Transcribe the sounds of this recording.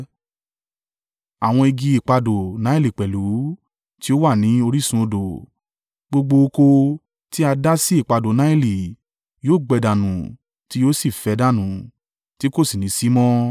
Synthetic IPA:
a˨w̃ɔ̃˧i˧ɡĩ˧i˦˨k͡pa˧do˨nã˨˦i˦˨li˨k͡pɛ˨lu˨˦ | ti˦o˦wa˦˨nĩ˨˦o˧ɾi˦sũ˧˦o˧do˨ | ɡ͡bo˧ɡ͡bo˧o˧ko˧ | ti˦a˧da˦si˦i˦˨k͡pa˧do˨na˨˦i˦˨li˨ | joː˦˨ɡ͡bɛ˧da˨nũ˨ | ti˨˦jo˦si˦˨fɛ˨˧˦da˦˨nũ˨ | ti˦ko˦˨si˨nĩ˨˦si˦mɔ̃˦

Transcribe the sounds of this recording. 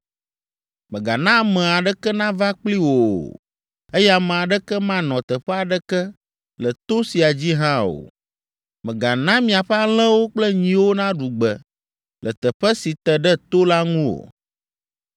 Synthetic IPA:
mɛ̃˨ɡa̰˨nã˦mɛ̃˨a˨ɖɛ˦kɛ˦nã˦va˦k͡pli˦wo˨ | e˦ja˨mɛ̃˨a˨ɖɛ˦kɛ˦mã˦nɔ̃˨t̪ɛ˨ɸɛ˦a˨ɖɛ˦kɛ˦ | lɛ˨t̪o˦si˨a˨d͡ʑi˦ɦã˦o̰˨ | mɛ̃˨ɡa˨nã˦mĩ˨a˨ɸɛ˦a˦lɛ̃˦wo˦k͡plɛ˦ɲĩ˨wo˦nã˦ɖu˨ɡ͡bɛ˨ | lʔɛ˨t̪ɛ˨ɸɛ˦si˨t̪ɛ˨ɖɛ˦t̪o˦la˦ŋũ˦o̰˨

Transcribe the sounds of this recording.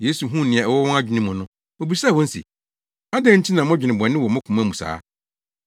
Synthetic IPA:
je˦su˨ɦũ˦˨nɪ̃˨a˨ɛ˨wɔ˦wɔ̃˦a˦d͡ʑᶣi˨nĩ˦mʊ̃˨nʊ̃˦ | o˨bi˨sa˦˨wɔ̃˦n̩˦sḭ˨ | a˦dɛ̃˦n̩˦tʰi˦nã˨mʊ̃˦d͡ʑᶣɪ˨nɪ̃˨bɔ̃˨nːɪ̃˦wɔ˨mʊ̃˦kʷʰʊ̃˨mã˦˨mũ˨sa̰ː˦

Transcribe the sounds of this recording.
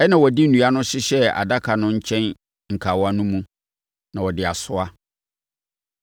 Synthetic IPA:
ɛ˦nã˨wɔ˨di˦n̩˦˨nũ˨a˦nʊ̃˦ɕɪ˦ɕɛ˦a̰˨da˦kʰa˨nʊ̃˦ɲ̩˦t͡ɕʰɛ̃˦n | ŋ̩˨kʰa˨wɔ˦a˨nũ˦mũ˦ | nã˨wɔ˨dɪ˨a˨sʊ˦a˦

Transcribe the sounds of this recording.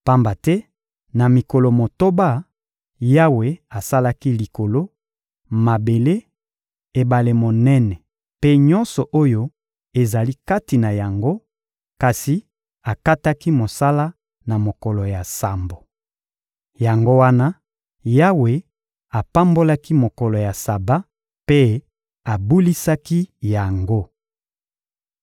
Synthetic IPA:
pa˦mba˨tɛ˦ | na˨mi˨ko˨lo˨mo˨to˦ba˦ | ja˦we˨a˨sa˦la˦ki˦li˨ko˨lo˦ | ma˨be˨le˦ | e˨ba˨le˨mo˨nɛ˦nɛ˨ | pe˦ɲɔ˦nsɔ˨ʔo˦jo˦ | e˨za˨li˦ka˦ti˨na˨ja˨ŋɡo˦ | ka˨si˨ | a˨ka˦ta˦ki˦mo˨sa˦la˦ | na˨mo˨kɔ˨lɔ˨ja˨sa˨mbo˨ | ja˨ŋɡo˦wa˦na˦ | ja˦we˨ | a˨pa˦mbo˦la˦ki˦mo˨kɔ˨lɔ˨ja˨sa˨ba˦ | pe˦ | a˨bu˦li˦sa˦ki˦ja˨ŋɡo˦

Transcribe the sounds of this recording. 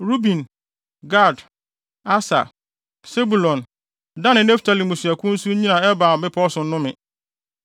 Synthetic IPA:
ɾu˦bĩ˨n | ɡa˦˨d | a˦sa̰˨ | se˦bu˨lɔ̃˨n | dã˦nɪ̃˨nɛ˦fi̥˨tʰa˨li˨mũ˨su˨æ˨kʰʊ̃˦n̩˦su˦ɲĩ˦nã˨ɛ˦ba˨m̩˨bɪ˦pʰɔ˦sʊ̃˨˦nʊ̃˦mɪ̃˨

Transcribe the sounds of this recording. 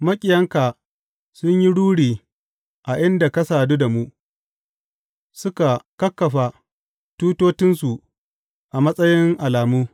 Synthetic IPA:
mɐ˦kʲʼɪ˨jɐ˦ŋka˨ | sʊ˦ɲji˦ɽuː˦ɽiː˨ | ʔa˨ʔɪ˦nda˨kɐ˦saː˨du˦da˨mu˦ | sʊ˦ka˨kɐ˦kːɐ˨ɸa˨ | tuː˦toː˦t͡ʃɪ˦nsu˨ | ʔa˨mɐ˦sʼɐ˦jɪ˦ŋʔa˨laː˨muː˦

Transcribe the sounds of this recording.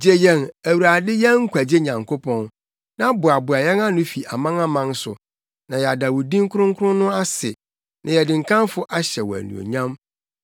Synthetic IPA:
d͡ʑe˦jɛ˦næ˨wu˨ɾa˨dɪ˦jɛ˦ŋ̩˦kʰʷæ˨d͡ʑe˦ɲã˨ŋkʰo˦pʰɔ̃˦n | nã˦bʊ˨a˨bʊ˨a˨jɛ˦nã˦nʊ̃˦fi˨ʔa˨mã˦ŋa˦mã˦n˦sʊ̰˨ | nã˨jɛ˨a˨da˨wu˨dĩ˦ŋ˦kʰʊ˦ɾʊ̃˦ŋ˦kʰʊ˦ɾʊ̃˦nʊ̃˦a˦sɪ̰˨ | nʔã˨jɛ˨dɪ̃˨ŋ̩˨kʰã˦nfʊ˦ʔa˦ɕɛ˨wɔ˨æ̰˨nṵ̃˨o̰˨ɲã˦m

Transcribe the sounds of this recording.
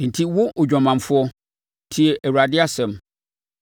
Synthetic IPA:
n̩˨tʰi˦wʊ˦ʔʊ˨d͡ʑᶣɔ̃˨mã˨mfʊ˦ɔ˦ | tʰi˨ɛ˨ʔæ˨u˨a˨dɪ˦a˦sɛ̃˨m

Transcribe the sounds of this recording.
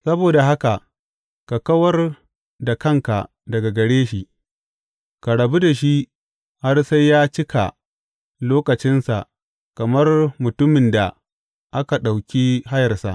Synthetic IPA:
sɐ˦boː˨da˨ɦa˦ka˨ʔ | ka˨kɐ˦wɐ˦r | da˨kɐ˦ŋka̰˨ | dɐ˨ɡa˨ɡɐ˨ɽeː˦ʃi˨ | ka˨ɽɐ˨bu˦da˨ʃi˦ | ha˦rsa˦jjːaː˦t͡ʃɪ˦ka̰˨ | loː˦kɐ˨t͡ʃɪ˦nsa̰˨ʔ | kɐ˨mɐ˦rmʊ˨tʊ˦mɪ˨nda˨ | ʔa˦ka˨ɗa˨wkʲiː˦ɦa˦jɐ˨rsa̰˨ʔ

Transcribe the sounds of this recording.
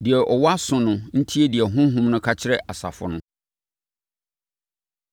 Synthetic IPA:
dɪ˨ɛ˨ʔɔ˨wɔ˦a˦sʊ̃˨nʊ̃˨n̩˦tʰi˦e˦di˨ɛ˨ɦʊ̃˦ɦũ˦mnʊ̃˦kʰa˦t͡ɕʰɪ˦ɾɛ˦ʔa˨sa̰˨fʊ̰˨nʊ̃˦

